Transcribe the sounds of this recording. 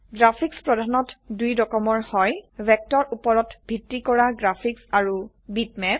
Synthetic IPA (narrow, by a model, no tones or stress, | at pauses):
ɡɹapʰikspɹɔdʱanɔtdujdɔkɔmɔɹhɔjbɛk̚tɔɹupɔɹɔtbʱitːikɔɹaɡɹapʰiksaɹu | bitmɛp̚